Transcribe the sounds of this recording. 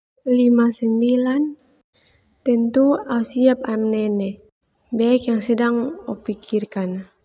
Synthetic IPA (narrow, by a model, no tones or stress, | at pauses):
limasɛmbilan | t̪ɛnt̪uausiap̚amnɛnɛ | bɛɛkjaŋsɛdaŋɔpikʰirkan